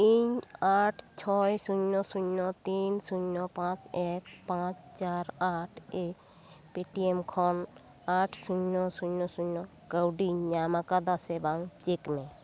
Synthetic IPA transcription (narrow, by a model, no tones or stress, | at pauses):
iɲaʈʰt͡ʃʰɔjsuɲːɔsuɲɔt̪insuɲːɔpãt͡ʃek̚pãt͡ʃt͡ʃaɾaʈʰe | piʈiemkʰɔn | aʈʰsuɲːɔsuɲɔsuɲɔ | kəwɖiɲamakad̪asebaŋt͡ʃekmẽ